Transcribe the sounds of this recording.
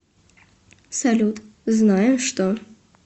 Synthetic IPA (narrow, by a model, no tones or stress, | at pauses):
salʲut̪znajɛmʂt̪ɔ